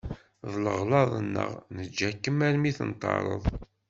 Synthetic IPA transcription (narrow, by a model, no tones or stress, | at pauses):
ðləʁlɑðˤənːə̰ʁnəd͡ʒːækːəmæɾmiθənt̪ˤːɑ̰ɾˤə̰ðˤ